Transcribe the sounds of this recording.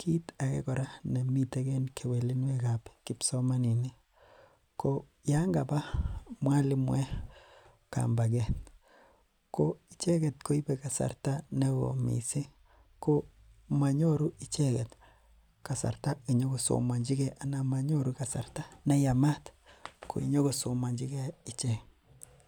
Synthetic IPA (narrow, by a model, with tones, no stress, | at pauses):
kʰi˦ta˨kɛ̰˦kɔ˨ɾa˦ne˨mi˨te˦ke˦nkʰe˨we˨li˦nwe˦kapki˦psɔma˦ni˨ni˦ | ko | ja˦ŋɡaba˦mwa˦li˦mwɛ˦ | ka̰mba˨ɡɛ˨ | koit͡ʃɛ˦kɛ˨tko˦i˦pɛ˨ka˨sa̰˨rta˦ne˦wo̰˨mḭ˨si˦ | ko˦ | ma˨ɲo˦ɾu˦ʔi˨t͡ʃɛkɛ˨t | ka˨sa̰˨ɾta˦i˨ɲo˦ko˨so̰˨ma˨ɲd͡ʒi˦kɛʔa˨na˨ma˨ɲo˦ɾu˦ka˨sa˨ɾta˦na˦ja˨ma˦t | kʰo̰˨ḭ˨ɲo˦ko˨so˨ma˨ɲd͡ʒikɛ˦i˨t͡ʃɛ